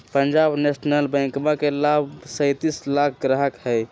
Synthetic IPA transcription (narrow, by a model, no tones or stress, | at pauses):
pənd͡ʒabnesnəlbə̃ŋkmakelabsəjt̪islakʰɡɾaɦəkhəj